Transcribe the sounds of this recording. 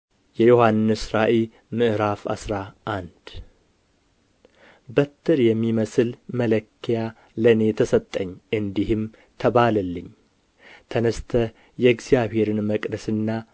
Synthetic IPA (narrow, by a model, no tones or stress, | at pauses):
jɛjohanːɨsɾaʔel | mɨʔɨɾafa̰sɾaʔand̪̥ | bət̪ʰːɨɾjɛmːiməsɨlmələkʰːija | ləne̞t̪ʰəsət̪ʼːəɲːʔɨnd̪ihɨm | t̪ʰəβaləlːɨɲː | t̪ʰənəst̪ʰə | jɛɡzijaβhe̞ɾɨnməkʼd̪əsɨnːa